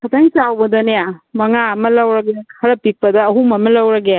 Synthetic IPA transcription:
kʰɐtʰaŋsawbɐd̪ɐnejamɐŋaɐmɐlɐwɾɐɡjakʰɐɾɐpik̚pɐd̪ɐːɦumɐmɐlɐwɾɐɡeja

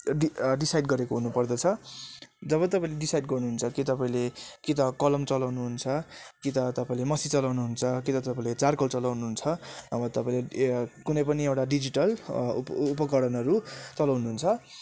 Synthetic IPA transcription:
iɖisajɖɡʌɾekoɦunupʌrd̪ʌt͡sʰʌ | d͡zʌβʌt̪ʌpãĩleɖisajɖɡʌrnuɦunt͡sʰʌkit̪ʌpaĩlekit̪ʌkʌlʌmt͡sʌlawnuɦunt͡sʰʌkit̪ʌt̪ʌpaĩlemʌsit͡sʌlawnuɦunt͡sʰʌkit̪ʌt̪ʌpaĩlet͡sarkʌlt͡sʌlawnuɦunt͡sʰʌʌbʌt̪ʌpaĩlekunʌjpʌniewʈaɖid͡ziʈʌlː | pʌkʌɽʌnʌɾut͡sʌlawnuɦunt͡sʰʌ

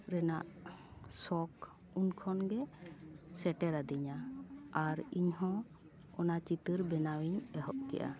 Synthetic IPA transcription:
ɾɛna̰ʔ | sɔk | unkʰɔnɡɛ | sɛʈɛɾad̪iɲaaɾiɲɦɔ̃ | ɔnat͡ʃit̪ɨɾbɛnawiɲɛɦɔʔkɛ̰ʔa̰

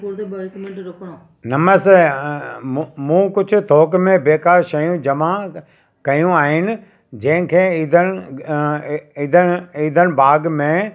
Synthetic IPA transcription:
kː | nɐməse | mũːkʊd͡ʑʱʊ̆t̪ʰoːkmẽbeːkaːɾʃɐjũd͡ʑɐma | kɐjũaːɦɪnɪ̆ | d͡ʑɐ̃ɦɪ̃kʰeːiːd̪ʱən | id̪ʱəiːd̪ʱənbaːɡmẽ

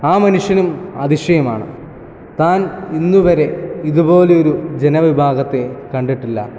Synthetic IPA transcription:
aːmɐnuʂjɐnumɐ̰ðiʂjɐjɐma̰ːɳɨ̰ | t̪aːninːuʋɐɾe̞iðubo̞ːleo̞ɾud͡ʑenɐʋibʱaːɡɐt̪ːe̞kɐɳɖiʈːilːɐ̰

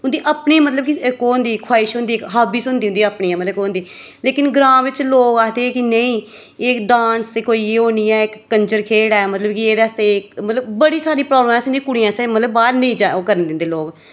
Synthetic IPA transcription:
ʊnd̪iːʔapɳĩːmət̪ləb̚kɪkoːnd̪iːkʰwaːɪʃɦʊ̃nd̪iːkɦaːbiːsʊnd̪iːʊnd̪iapɳiːãmət̪ləkoːnd̪iː | leːkɪnɡɾãːmʋɪt͡ʃloːɡaːd̪eːkɪnəĩː | eːɖãːnst̪ekoːiːoːniːɛːɪkːəɲd͡ʒəɾkʰeːɽaːɛmət̪ləbkɪeːd̪ɛːst̪eːɪkmət̪ləbbəɽiːsaːɾiːpɾɔːbləmɛ̃ːsnd̪ikʊɽiːãːst̪eːmət̪ləbːaːɾnəĩːd͡ʒaːokəɾənd̪ɪnd̪eːloːɡ

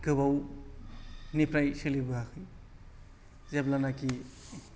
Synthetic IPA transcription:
ɡɯbaw | nipʰɾajsɯlibɯɦakʰɯj | zeblanaki

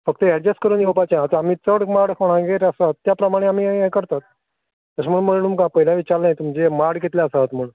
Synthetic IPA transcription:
fək̚t̪əɛɽd͡ʑəskəɾuːnjewpat͡ɕaat̪əam̤iːt͡səɽmaɽkʰoɽ̃ãɡeɾəsat̪ːjapɾəmaɽ̃eam̤iːekəɾt̪at̪̚ | t̪əsam̤əɽunm̤əɽunumkãpəɦilãʋit͡ɕaɾajt̪umd͡ʑemaɽɡet̪ljaəsat̪m̤əɽũːn

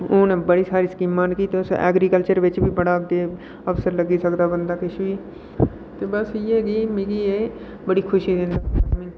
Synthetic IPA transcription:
oːneːbəɽiːsaːɾiːskiːmːaːnkiːt̪eʊsɛ̰ːɡɾiːkəlt͡ʃəɾʋɪt͡ʃbiːbəɽaːkd̪eː | əfsəɾləɡiːsəkd̪aːbənd̪aːkɪʃʋiː | t̪eːbəsieːɡiːmɪkiːeː | bəɽiːkʰʊʃiːd̪ɪ̃nd̪aːmi

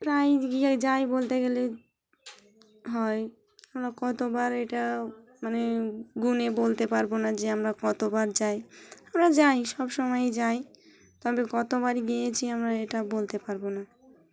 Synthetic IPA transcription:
pɾajɡiad͡ʑajbolt̪eɡɛle | ɦɔe | amɾakɔt̪obaɾeʈa | maneɡunebolt̪epaɾbonad͡ʑeamɾakɔt̪obaɾd͡ʑajamɾad͡ʑajʃɔbʃɔmɔjed͡ʑaj | t̪ɔbekɔt̪obaɾiɡijet͡ɕʰiamɾaeʈabolt̪epaɾbona

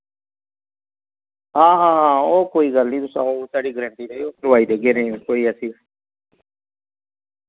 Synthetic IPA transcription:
ɦãːɦãːɦãːoːkoːiːɡəlnĩːd̪ʊsa̰ːoːsaːɽiːɡəɾəɳʈiːɾeioːkɾʋaːiːd̪eːɡeːnẽːkoːiːəsiː

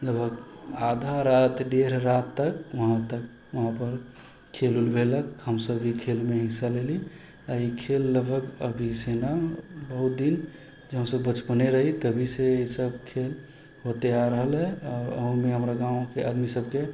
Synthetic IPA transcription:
ləbʱəkad̪ʱaɾat̪ʰɖeɾɾat̪ːəkʋəɦãt̪ək̚ | ʋəɦãpəɾ | kʰelulbʱeləkɦəmsəbʱikʰelmeɦisaleli | aikʰelːəbʱəɡə̰bʱisenabəɦut̪̚d̪in | d͡ʒəɦə̃səbːət͡ʃpəneɾəɦit̪əbʱiseisəbkʰel | ɦot̪eaɾəɦəlɦɛɔːɾə̰ɦũmeɦəmɾaɡãõkead̪misəb̚ke

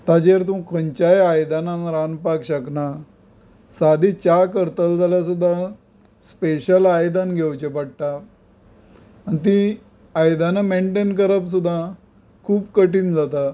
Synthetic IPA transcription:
t̪ad͡ʑeɾt̪ũkʰənt͡ɕajajd̪ananɾanpakɕəkna | sad̪ʱit͡ɕakəɾt̪əlt̪aljas̬ud̪ʱːa | speɕəlajd̪anɡʱewt͡ɕepaɽ̚ʈa | nt̪̬ĩ | ajd̪anameɳʈenkəɾəpsud̪ʱːa | kʰuːpkəʈiːnd͡zat̪a

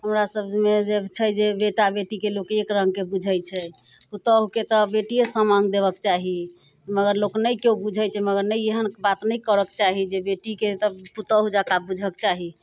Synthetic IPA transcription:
ɦəmɾasəbd͡ʒmed͡ʒet͡ʃʰɛjd͡ʒebeʈabeʈikelokekɾəŋɡkebud͡ʒʱəjt͡ʃʰɛput̪əɦuket̪ɔbeʈijesə̃maŋɡd̪eβəkt͡ʃaɦi | məɡəɾloknəjkeubud͡ʒʱəjt͡ʃʰɛməɡəɾnəjeɦənbat̪nəjkəɾəkt͡ʃaɦid͡ʒebeʈiket̪ɔput̪əɦud͡ʒakabud͡ʒʱəkt͡ʃaɦi

